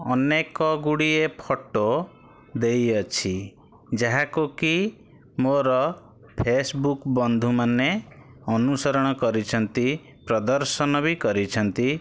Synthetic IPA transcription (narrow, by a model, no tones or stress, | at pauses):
ɔnekɔɡuɽiepʰɔʈo | d̪ejɔt͡ʃʰi | d͡ʒaɦakuki | moɾɔ | pʰesbukbɔnd̪ʱumaneɔnusɔɾɔɽ̃ɔkɔɾit͡ʃʰɔnt̪i | pɾɔd̪ɔɾsɔnɔbikɔɾit͡ʃʰɔnt̪i